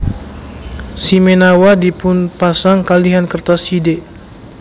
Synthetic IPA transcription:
simenawadipʊnpasaŋkaliɦankərt̪aside

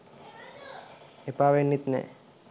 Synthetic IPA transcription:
epaʋenːit̪nḛ

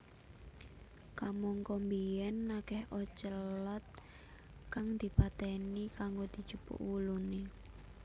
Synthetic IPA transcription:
kamɔŋkɔmbiɛnːakɛhʔɔt͡ʃəlɔt̪̚ | kaŋd̪̥i̤pat̪ɛnikaŋɡod̪̥i̤̥t͡ʃupṵʔwulune

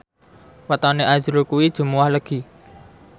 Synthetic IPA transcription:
wət̪ɔneʔazɾukuwid̥ʒ̥ṳmuwahləɡ̥i̤

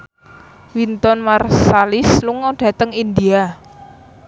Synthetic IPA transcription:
wint̪ɔnmarsalɪsluŋɔɖ̥ä̤t̪əŋind̪ia

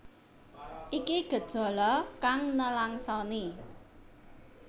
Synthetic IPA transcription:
ʔikiɡ̥ə̤d̥ʒ̥ɔ̤lɔkaŋnəlaŋsɔni

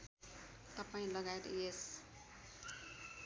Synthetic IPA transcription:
t̪ʌpaĩlʌɡaet̪es

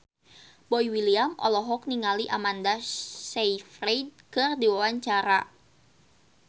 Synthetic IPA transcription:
bɔjwiliamʔɔ̰lɔɦɔk̚niŋaliʔamandasejfrejd̚kɨrdiwawaɲt͡ʃaɾa

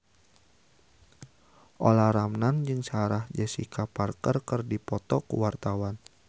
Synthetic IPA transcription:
ʔolaɾamnand͡ʒɨŋsaɾahd͡ʒəsḭkaparkərkərdipɔt̪ɔkṵwart̪awan

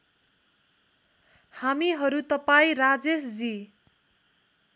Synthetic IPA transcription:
hamiɦʌɾut̪ʌpaĩrad͡zesd͡zi

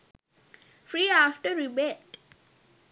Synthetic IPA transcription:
fɾiːafʈəɾibɛʈ

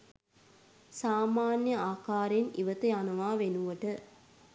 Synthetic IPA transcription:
saːmaːnjəaːkaːɾenḭʋət̪əjanɐʋaːʋenuʋəʈə

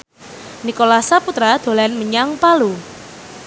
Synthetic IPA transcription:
nikolasaput̪ɾad̪̥o̤lanməɲaŋpalu

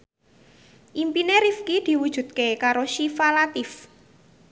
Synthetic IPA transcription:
ʔimpineɾifkid̪̥i̤wud̥ʒ̥ṳd̪̚kekaɾoʃifalat̪ɪf

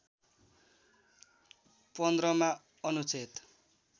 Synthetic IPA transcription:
pʌnd̪ɾʌma | ʌnut͡set̪

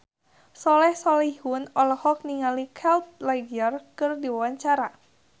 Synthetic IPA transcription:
sɔlɛhsɔlihʊnɔlɔhɔk̚niŋalikʰɛlt̪̚laɡərkɨrdiwawaɲt͡ʃaɾa

